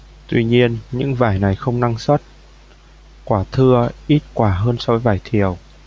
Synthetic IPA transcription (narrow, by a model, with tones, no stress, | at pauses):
t̪wi˧ɲi˧ənɲɨ̰˧˥ŋvaː˧˩jna˨˩jxə˧wŋ͡mna˧ŋsə˦˥t̚ | kwaː˧˩t̪ʰɨ˧əʔi˦˥t̚kwaː˧˩ɦəː˧nsɔ˧vəː˨˦jvaː˧˩jt̪ʰi˨˩əw